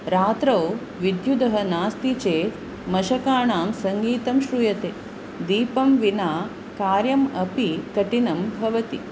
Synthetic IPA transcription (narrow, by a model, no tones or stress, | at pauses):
ɾaːt̪ɾɐw | ʋid̪jud̪ɐɦɐnaːst̪it͡ʃeːt̪ | mɐʃɐkaːɳaːmsɐŋɡiːt̪ɐmʃɾujɐt̪eː | d̪iːpɐmʋinaː | kaːɾjɐmɐpikɐʈinɐmbʱɐʋɐt̪i